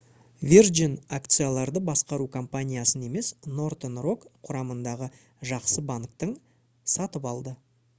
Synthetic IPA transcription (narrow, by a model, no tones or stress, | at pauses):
vʲerd͡ʒinakt̪sɨjalˠɑɾd̪əbɑsqɑɾukʰo̞mpanʲijasəne̞me̞sno̞rt̪enro̞kqʰːʊɾɑmənd̪ɑʁə | ʒɑqsəbaŋk̚t̪əɴ | sɑt̪əpɑlˠd̪ə